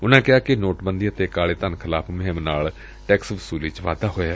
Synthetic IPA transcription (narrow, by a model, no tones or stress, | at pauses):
ʊnãːkɪaːkɪnoːʈbənd̪iːət̪eːkaːleːt̪ənkʰɪlaːpʰməɦɪ̃mnaːl | ʈɛːksʋʊsuːliːt͡ʃʋa̰ːd̪aːɦoːjaː